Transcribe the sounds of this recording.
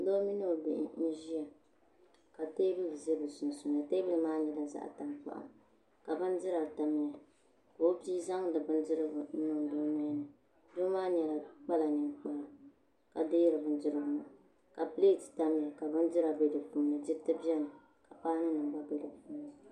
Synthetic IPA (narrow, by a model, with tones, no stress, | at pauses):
lo˦mi˦nɨ˦o˨bɪ̰˨ʔɪ̰˦n̩˦ʒi˦ja˨ | ka˨teː˦bɨ˦lɨ˨ze˦bɨ˨sʊ˨n˨su˨na˨teː˦bɨ˦lɨ˨˦maː˦ɲɛ˨la˦˨za̰˦˨ʔta˨mpa̰˨ʔa̰˨ | ka˨bɨ˦n˦dɨ˦ɾa˨ta˨mi˨ja˨ | ko˨o˦biː˦za˦ŋ˦dɨ˨bɨ˦ndɨ˦ɾɨ˦bʊ˨˦nɨ˨ŋ˨do˦mɛ˦nɨ˨ | do˦maː˦ɲɛ˨la˨k͡pa˦la˨ɲɨ˨nk͡pa˦la˨ | ka˨deː˦ɾɨ˨bɨ˨˦n˦dɨ˦ɾɨ˦bʊ˨na˨ | ka˨pleː˦˨tɨ̥˨ta˦m˨ja˨ka˨bɨ˦ndɨ˦ɾa˨be˦dɨ˨fuː˨˦nɨ˨dɨ˦tɨ˦bi˦ɛ˦nɨ˨ | ka˨paː˦nɨ˦nɨ˨mba˦be˦dɨ˨fuː˦nɨ˨